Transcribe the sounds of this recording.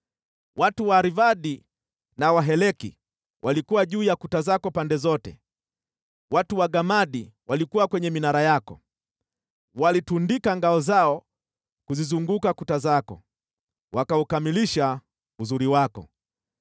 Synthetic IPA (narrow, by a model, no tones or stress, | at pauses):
watuwaɾivaɗi | nawaɦɛlɛkḭ | wʔalikuwaʄuːjakutazakɔpandɛzɔtɛ̰ | watuwaɡamaɗiwalikuwakwɛɲɛminaɾajakɔ̰ | walitundikaŋɡaɔzaɔ | kuzizuŋɡukakutazakɔ̰ | wakaukamiliʃa | uzuɾiwakɔ̰